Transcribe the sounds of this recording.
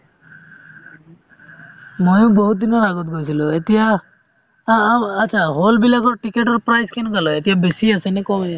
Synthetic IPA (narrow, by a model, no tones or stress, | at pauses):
mɔjũbɔɦut̪̚d̪inaɾaɡɔt̪̚ɡʱojsʰilɔet̪ija | ət̪ːt͡ʃʰaɦolbilakɔʈikeʈəɾpɾajskinkalɔet̪iɦabesiəsenekɔmi